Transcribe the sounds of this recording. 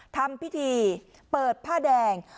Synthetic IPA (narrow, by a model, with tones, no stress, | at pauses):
t̪ʰa˧mpʰi˦˥t̪ʰiː˧ | pɤː˨˩t̪̚pʰaː˥˩dɛː˧˩ŋ